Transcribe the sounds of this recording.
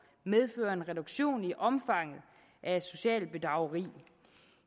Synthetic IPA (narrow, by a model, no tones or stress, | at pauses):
með̞ˠfø̰ːɐe̝nʁɛdoɡ̥ɕo̝̰ːniʔɒ̽mfɑ̈ŋ̰ð̩ˠ | ʔæ̥so̝ɕɛ̰ːl̚b̥e̝d̥ʁɑ̈ʊɐʁḭː